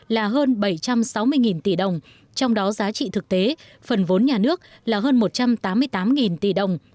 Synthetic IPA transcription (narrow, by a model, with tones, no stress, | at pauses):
laː˨˩ɦəː˧nɓə˧˩jt͡ɕa˧msa˨˦wmɨ˧əjŋi˨˩nt̪i˧˩ɗə˨˩wŋ͡m | t͡ɕɔ˧wŋ͡mɗɔ˨˦zaː˨˦t͡ɕḭ˧˨t̪ʰɨ˨˩k̚t̪e˨˦ | fə˨˩nvo˨˦nɲaː˨˩nɨ˦˥ək̚ | laː˨˩ɦəː˧nmo˨˩t̚t͡ɕa˧mt̪aː˨˦mːɨ˧əjt̪aː˨˦mŋi˨˩nt̪i˧˩ɗə˨˩wŋ͡m